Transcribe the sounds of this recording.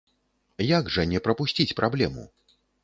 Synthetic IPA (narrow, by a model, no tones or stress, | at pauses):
jaɡʐɐnʲɛpɾɐpusʲt͡sʲit͡sʲpɾʔablʲɛmṵ